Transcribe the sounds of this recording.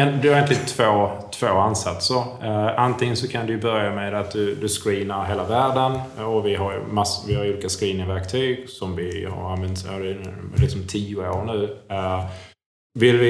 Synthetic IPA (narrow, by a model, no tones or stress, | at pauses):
ɛnd̪ɵhaɾɛnt̪lɪɡt̪ʰvoːt̪ʰv̥oːansat̪səɾant̪ʰɪŋənsɔkʰand̪ɵjɵbœɾjamed̪at̪̚d̪ɵd̪ɵskɾiːnaɾɦeːlavæːɖənɔvɪɦaɾj̰masvɪhaɾuːliːkaskɾiːnɪŋvæɾkt̪ʰyːɡsɔmvɪha̰ɾanvɛnt̪sa̰d̪ɛlɪksɔmt̪ʰiːʊoːɾɳʉ̟ː | vɪlvɪ